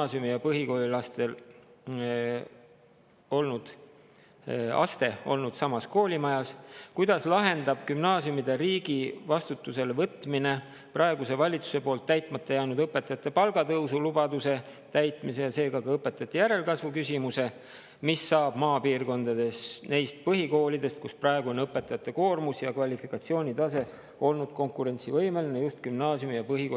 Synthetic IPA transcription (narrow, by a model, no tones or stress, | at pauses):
sjumijɑpɤɦiko̞ːlʲilɑst̪e̞l | o̞lnud̪̥ | ɑ̰st̪e̞o̞̰lnud̪̥sɑmɑsko̞ːlʲimɑjɑskujd̪̥ɑslɑɦe̞nd̪̥ɑb̥kymnɑːsjumid̪̥eɾiːɡ̥ivɑst̪ut̪ːˑuse̞levɤt̪ːˑmine̞ | prɑe̞ɡuse̞vɑlʲit̪su̥se̞po̞ːlt̪ːæjt̪ˑmɑt̪ːˑɑjæːnud̪ɤpːˑe̞t̪ːˑɑt̪ːˑepɑlɡ̥ɑt̪ɤwsulub̥ɑd̪use̞ | t̪æjt̪ˑmise̞jɑse̞ːɡɑkɑɤpːˑe̞t̪ːˑɑt̪ːijæɾe̞lkɑsvukysʲimuse̞ | misːɑːb̥mɑːpiːrko̞nd̪ɑd̪̥e̞sne̞jst̪̚pɤɦiko̞ːlid̪e̞st̪̚kusprɑe̞ɡ̥uo̞nɤpːˑe̞t̪ːˑɑjɑt̪ːˑe̞ko̞ːrmusjɑkvɑlʲifikːˑɑt̪sio̞ːnʲid̪ɑs̬e̞ | o̞lnud̪̥̚ko̞ŋkˑuɾe̞nʲsivɤjmelinejust̪kymnɑːsjumijɑpɤɦiko